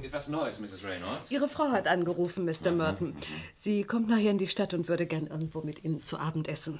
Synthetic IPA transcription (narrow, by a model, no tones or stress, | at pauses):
ɪtvasnɔɪsmɪsɪzɹẽɪ̃nɔ̰ʔiːʁ̞əfʁ̥aʊhatʔanɡəʁuːfn̩mɪstɐmœɐtn̩z̥iːkʰɔmtnaːχheːɐɪndiːʃtatʊntv̥ʏɐɾəɡɛɐnʔɪɐɡŋ̩tv̥oːmɪtʔiːnənt͡suʔaːbm̩tʔɛsn̩